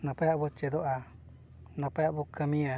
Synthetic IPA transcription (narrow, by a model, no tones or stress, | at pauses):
nãpaaβut͡ʃed̪oʔa | nãpaaβukamĩa